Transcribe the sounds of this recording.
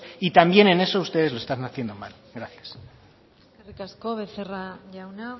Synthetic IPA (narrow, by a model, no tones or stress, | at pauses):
it̪ambje̞ne̞ne̞soust̪e̞ðezloe̞st̪aznaθje̞nd̪omal | ɡɾaθjas | erikaskoβeθeraʝawna